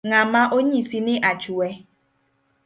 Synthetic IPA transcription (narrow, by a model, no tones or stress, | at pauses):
ŋamaʔoɲesinɪʔat͡ʃuwe